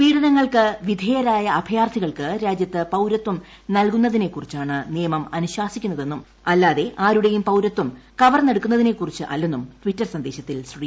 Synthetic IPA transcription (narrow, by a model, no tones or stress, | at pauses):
ʋiːɽɐðɐŋːɐɭkɨʋid̪ʱeːjɐɾaːjɐːbʱɐjaːrt̪ʰiɣɐɭkɨɾaːd͡ʑjɐt̪ːɨpɐwɾɐt̪ːum | nɐlkunːɐðine̞kːurit͡ɕːaːɳɨnijɐmɐmɐnuɕwaːsikʲːunːɐðe̞nːum | ɐlːaːðe̞ʔaːɾuɽe̞jumpɐwɾɐt̪ːumkɐʋɐrneɽukːunːɐðine̞kːurit͡ɕːɨʔɐ̰lːenːumtʋitːɐrsɐnd̪e̞ːɕɐt̪ːilsri